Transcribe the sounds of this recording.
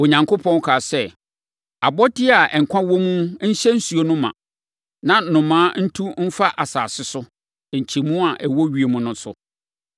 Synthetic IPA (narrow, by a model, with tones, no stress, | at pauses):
o˨ɲã˨ŋkʰo˦pʰɔ̃˦n˦kʰaː˨sɛ˦ | a˨bɔ˦dɪ˦a˨ʔɛ˨ŋ̩˨kʷʰã˦wɔ˦mũ˦ɕɛ˦n̩˦su˨o˦nʊ̃˦mã̰˨ | nã˨nʊ̃˨mãː˦n̩˦tʰũ˦m̩˦fa˦ʔa˨saː˨sɪ˦sʊ˦˨ | ɲ̩˨t͡ɕʰi˨mũ˦a˨ʔɛ˨wɔ˦ɥi˨e˨mũ˦nʊ̃˦sʊ̰˦